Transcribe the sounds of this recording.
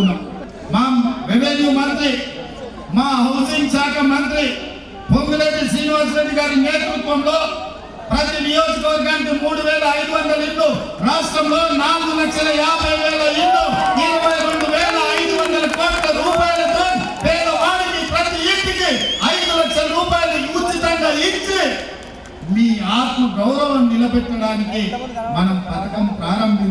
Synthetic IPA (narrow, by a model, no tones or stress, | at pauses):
maːmʋibed̪jɐmɐnt̪ɾi | maːɦɐd͡ʒ̪int͡ʃaːkɐmɐnt̪ɾi | pond̪uɾeːd̪isɾiːniʋaːd͡ʒɾeːɖiɡaːɾineːt̪ɾut̪ʋɐmloː | pɾɐt̪inijoːd͡ʒɐkɐʋɐɾɡaːnikimuːɽuʋɛːlɐːjd̪uʋɐnd̪ɐliʈlu | ɾaːsʈɾɐmlo̞ːnaːluɡulɐt͡ʃːɐlɐjaːbʱɐjʋɛːlɐiɳːuiɾubʱɐjɾeɳɖ̪uʋɛːlɐɐjd̪uʋɐnd̪ɐlɐkoːʈlɐɾuːpaːjɐlɐt̪oːn | pɛːd̪ɐʋaːɽikipɾɐt̪iipːikiɐjd̪uʋɐt͡ʃːɐɾuːpaːjɐlikut͡ʃːit̪ɐŋɡaːiɲt͡ʃi | miːaːt̪mɐɡɐwɾɐʋɐmːilɐbɛʈːɐɽaːnikimɐnɐmpɐt̪ɐkɐmpɾaːɾɐmbʱi